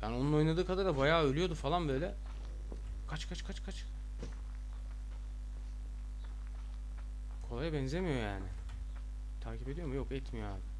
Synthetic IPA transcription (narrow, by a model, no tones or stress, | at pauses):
jaːnio̞nuno̞jnˠad̪ɯːkʰad̪aɾabajaːølʲyjo̞d̪ufalˠanbø̞jlʲɛ | kʰat͡ʃkʰat͡ʃkʰat͡ʃkʰat͡ʃ | kʰo̞lˠajabɛnzemijo̞ja̰ːnɪ | t̪ʰaːcʰipeijo̞mujo̞kɛt̪mijo̞ja̰ːbɪ